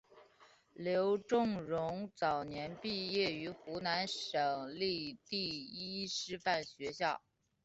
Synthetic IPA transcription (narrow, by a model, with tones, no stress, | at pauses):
ljo˧˥ʊʈ͡ʂʊ˥˩ŋɻʊ˧˥ŋt͡sɑ˨˩ʊnjɛ˧˥npi˥˧jɛ˥˩y˧˥xu˧˥na˧˥nʂɤ˨˩ŋli˥˧t̪i˥˧i˥ʂɻ̩˥˧fa˥˩nɕɥɛ˧˥ɕjɑ˥˩ʊ